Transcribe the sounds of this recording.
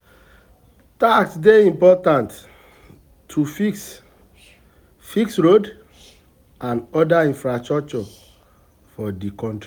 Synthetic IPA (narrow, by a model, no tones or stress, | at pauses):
taksdeĩmpɔtãnt | tʰːufiks | fiksɹod | ãnɔdaĩnfɹastɹɔk̚t͡ʃɔ | fɔdikɔ̃nti